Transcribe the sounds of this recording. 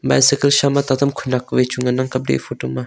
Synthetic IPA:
ba̰jsikəlʃamat̪at̪əmkʰunakwet͡ʃuŋanaŋkablḭfutuma

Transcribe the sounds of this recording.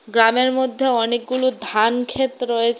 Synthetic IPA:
ɡɾameɾmod̪ʱːeɔnek̚ɡulud̪ʱankʰet̪ɾɔjet͡ɕʰ

